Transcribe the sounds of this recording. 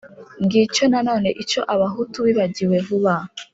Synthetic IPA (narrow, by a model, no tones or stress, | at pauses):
ŋɡit͡ʃo̞nano̞ːne̞ʔit͡ʃo̞ʔaβaɦutuβiβaɟiwe̞vuβa